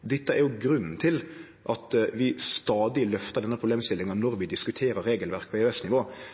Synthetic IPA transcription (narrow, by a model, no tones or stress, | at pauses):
d̪ɛt̪ːəæɾjʊɡɾʉnːn̩t̪ʰɪl | ʔɑt̪ʋɪst̪ɑːd̪ɪlœft̪əɖɛnːəpʰɾʊbleːmst̪ɪlːɪŋɑnnɔɾʋɪd̪ɪskʉt̪ʰeːɾəɾːeːɡəlʋæɾk̚pʰɔɛɛsnɪʋoː